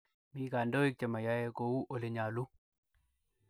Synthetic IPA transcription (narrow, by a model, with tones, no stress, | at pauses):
miː˦ka˨ndo˦i˦k̚t͡ʃe˨ma˨ja˦je˦ko˨u˦ʔo˨le˨ɲa˨lu˦